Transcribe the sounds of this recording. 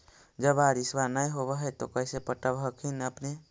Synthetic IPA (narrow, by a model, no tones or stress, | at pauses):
d͡ʒəbaɾiswanəiɦobeɦɛt̪o̰kəɪsepəʈəbɦəkʰinəpne